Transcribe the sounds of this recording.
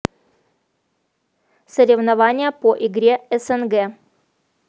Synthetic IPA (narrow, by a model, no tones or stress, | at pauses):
səɾʲɪvnɐvanʲɪjəpoʔɪɡɾʲeɛsɛnɡɛ